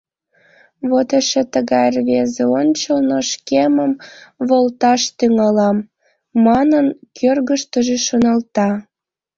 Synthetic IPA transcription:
βot̪eʃet̪əɣɑjrβezeont͡ɕəlnoʃkeməmβolt̪ɑʃt̪yŋɑlɑmː | ɑnənkʰørɣəʃt̪əʒeʃonɑlt̪ɑ

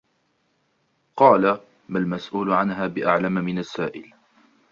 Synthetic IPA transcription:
qɑːla | malmasʔuːlʕanɦaːbɪʔaʕlammɪnasːaːʔɪl

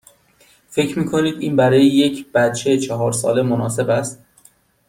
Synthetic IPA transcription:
fe̞cʰɾmiːkʰo̞niːd̪iːnbæɾɒːjejecʰb̥æt̪̚t͡ʃʰejt͡ʃʰɒɦɒːɾsɒ̰ːlemonɒːse̞bæst̪̚

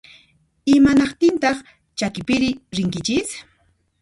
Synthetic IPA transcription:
ɪmanɑχt̪ɪnt̪ɑχ | t͡ʃakɪpɪɾɪɾɪŋkɪt͡ʃɪs

